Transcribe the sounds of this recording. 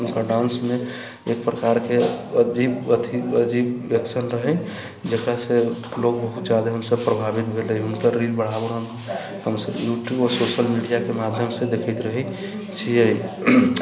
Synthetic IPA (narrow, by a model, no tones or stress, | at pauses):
nkəɖaʊnsme | ek̚pɾəkaɾkeəd͡ʒibət̪iəd͡ʒibəksʰənɾəɦən | d͡ʒekɾase | loɡ̚bəɦut̪d͡ʒad̪aɦəmsəbpɾəbʱabit̪̚bʱeləɦiʊnkəɾilbəɽ̤abəɾən | həmsəbjuʈjubɔːɾsoʃəlmiɖijakemad̪ʱjəmsed̪ekʰəɪt̪ɾəɦɛ | t͡ʃʰie